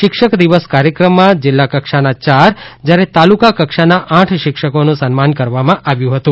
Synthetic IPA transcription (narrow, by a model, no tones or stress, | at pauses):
ʃɪkʃəkd̪iʋəskaɾjəkɾəmːãd͡ʒɪlːakəkʃanat͡ʃaɾd͡ʒjaɾet̪alukakəkʃanaʔãʈʰʃɪkʃəkonũsənmankəɾʋamãʔaʋjũɦət̪ũ